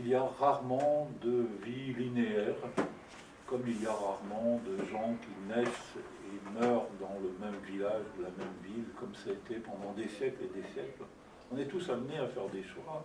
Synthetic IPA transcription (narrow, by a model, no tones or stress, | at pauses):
ilijaʁaʁmɑ̃d̪əvilineɛʁ | kɔmilijaʁaʁmɑ̃d̪əʒɑ̃kʲinɛs | emœʁd̪ɑ̃ləmɛmvilaʒd̪əlamɛmvilkɔmsaet̪ɛpɑ̃d̪ɑ̃d̪esjɛkled̪esjɛkl | ɔ̃nɛt̪usamneafɛʁd̪eʃwa